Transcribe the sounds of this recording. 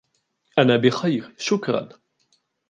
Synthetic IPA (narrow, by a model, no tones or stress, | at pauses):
ʔanabɪxajɾʃʊkɾˤɑ̰n